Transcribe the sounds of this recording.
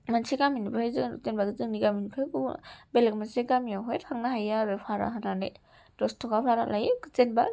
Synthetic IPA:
manseɡaminipʰajzɯɯ̰zenbaɡɯzɯŋniɡaminipʰajkubelek̚manseɡamiawɦɔjtʰaŋnaɦajaɾepʰaɾa̰ɦananḛ | d̥ɔstʰɔkapʰaɾa̰lʔajkɯzenba

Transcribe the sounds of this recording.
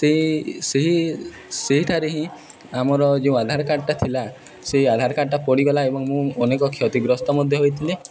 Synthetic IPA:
t̪eɦĩseɦi | seɦiʈʰaɾeɦĩ | amɔɾɔd͡ʒeũad̪ʱaɾɔkaɽʈat̪ʰila | seɦiad̪ʱaɾɔkaʈʈapɔɽiɡɔlaebɔŋmũɔnekɔkʰjɔt̪iɡɾɔst̪ɔmɔd̪ʱjɔɦojt̪ʰili

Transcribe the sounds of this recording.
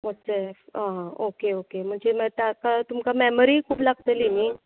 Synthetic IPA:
məsɛfãɦãokeokem̤əɳd͡zemt̪akat̪umkamɛməɾikʰuːplaɡ̚t̪əlini

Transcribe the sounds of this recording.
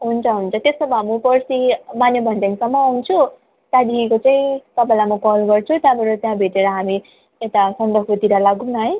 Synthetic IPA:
ɦunt͡sʰʌɦunt͡sʰʌt̪esʌmʌmupʌrsimanjebʱʌnd͡zanisʌmːʌːwnt͡sʰu | t̪ãd̪iikot͡saĩt̪ʌpãlamʌkʌlɡʌrt͡sʰut̪jãbʱʌɾot̪jãbʱeʈeɾʌɦami | et̪asʌnd̪ʌot̪iɾalaɡunːʌɦʌj

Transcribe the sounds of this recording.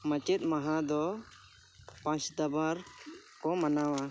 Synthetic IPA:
mat͡ʃɛt̪̚ˀmaɦad̪ɔ | pãt͡ʃd̪abaɾkɔmanawa

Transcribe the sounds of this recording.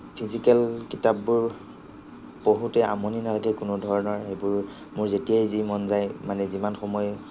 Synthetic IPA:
pʰizikɛlkitap̚bʊɹ | b̥oɦutɛʔa̰moninalaɡɛkʊnʊdʱɔɹɔnɔɹxejbʊɹ | mʊɹzetijajzimɔnzajmanɛzimanxɔmɔj

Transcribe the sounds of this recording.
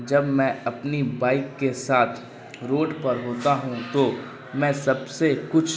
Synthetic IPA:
d͡ʒɐbmɛ̃ɐpnibaːɪkːesaːt̪ʰ | ɾoːɖpɐɾɦoːt̪aɦũt̪o | mɛ̃ːsɐbsekʊt͡ʃʰ

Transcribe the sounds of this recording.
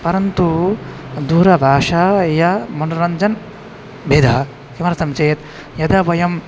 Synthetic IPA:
pɐɾɐnt̪u | d̪uːɾɐbʱaːʂajɐmɐnɾɐɲd͡ʒɐn | beːd̪ʱaː | kimɐɾɐsɐmt͡ʃeːt̪ | jɐd̪ɐʋɐjɐm

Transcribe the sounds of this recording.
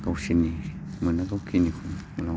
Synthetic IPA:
kauʃinĩ | mĩnãkaukinĩkuũã

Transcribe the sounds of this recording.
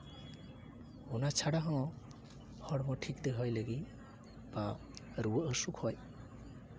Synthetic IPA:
unat͡ʃʰaɽaɦɔ̃ | hɔɽmɔʈʰikd̪eɦɔjləɡi | ba | ɾuəʔəsukʰhɔj

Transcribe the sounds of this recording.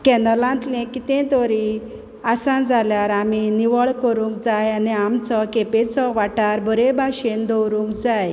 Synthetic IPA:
kɛ̃nəlãnt̪lɛ̃kit̪ɛ̃t̪ɔɾi | asãd͡zaljaɾaminiʋəɭkəɾũŋkd͡zajaniamt͡sɔkepet͡sɔʋaʈaɾbʱəɾebʱaɕend̪ɔwɾũŋkd͡zaj

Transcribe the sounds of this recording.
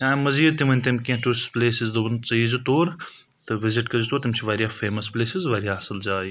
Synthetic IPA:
ãːmɐziːd̪̚t̪imɐnʲt̪ɐmʲkʲẽːʈuspleːsizd̪ɐbɐnt͡sɐiːzut̪oːɾ | t̪ɨʋɪzɪʈkɐzut̪oːɾt̪imʲt͡ʃʰiʋaːɾijaːfeːmɐspleːsizʋaːɾjaːɦɐsɐld͡ʒaːi

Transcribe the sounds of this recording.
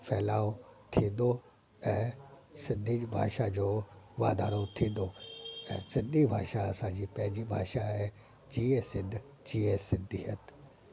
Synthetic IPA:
fʰɛːlaːot̪ʰĩːnd̪o | ɛ̃ːsɪ̃nd̪ʱibʱa̰ːʃad͡ʑoːʋa̰ːd̪ʱaːɾot̪ʰĩːnd̪oɛ̰̃ːsɪ̃nd̪ʱibʱa̰ːʃaɐsãd͡ʑiːpɛ̃ɦɪ̃ɲd͡ʑibʱa̰ːʃaɦɛ | d͡ʑiːesɪ̃d̪ʱ | d͡ʑiːesɪ̃nd̪ʱiɦət̪

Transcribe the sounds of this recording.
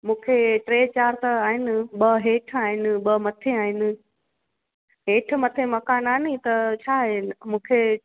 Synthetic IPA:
mũːkʰeʈɾeːt͡ɕaːɾt̪ɐaːɦɪnɪ̆ɓɐɦeːʈʰaːɦɪnɪ̆ɓɐmɐt̪ʰeaːɦɪnɪ̆ | ɦeːʈʰmɐt̪ʰemɐkaːnaːɪnit̪ɐt͡ɕʰaːɦemũːkʰe

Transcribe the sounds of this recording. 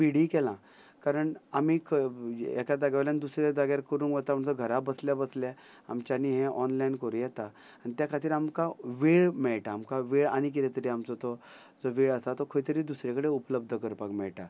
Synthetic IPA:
ʋiɽiːkɛlã | kaɾəɳamiːkɛ̰kad̪aɡaʋland̪usɾed̪aɡjaɾkəɾũːnkʋət̪amt͡sɔɡʱəɾabəsljabəslja | a̰mt͡ɕaniːɦẽʔɔnlainkəɾũjɛt̪a | anit̪jakʰat̪iːɾamkaʋeɭmɛɭʈaːmkaʋeɭa̰ñik̬iɾet̪əɾiamt͡sɔt̪ɔ | d͡zɔʋeɭəsat̪ɔkʰoit̪əɾiːd̪usɾakəɽeupləb̚d̪ʱəkəɾpakmɛɭʈa

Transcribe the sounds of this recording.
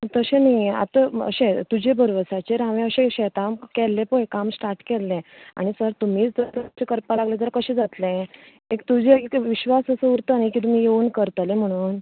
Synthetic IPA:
t̪əɕẽnaia̰t̪əə̰ɕẽt̪ud͡ʑebʱəɾʋəsat͡ɕeɾãʋẽəɕẽɕɛt̪amkɛlːẽpoekamsʈaɾʈkɛlːẽa̰ɽ̃isəɾt̪um̤iːt͡sd͡zəɾt̪ət͡ɕekəɾpalaɡlẽd͡z̪əɾakəɕẽd͡zat̪lẽ | ekt̪ud͡ʑeekʋiɕʋasəsəuɾt̪ənikit̪um̤iːjeuːnkəɾt̪alem̤əɽ̃uːn

